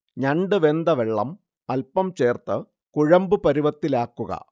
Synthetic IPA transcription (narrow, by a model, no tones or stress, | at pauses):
ɲɐɳɖɨʋe̞nd̪ɐʋeɭːɐm | ɐlpɐmt͡ɕe̞ːrt̪ɨ | kuɻɐmbɨpɐɾiʋɐt̪ːilaːkːuɣɐ̰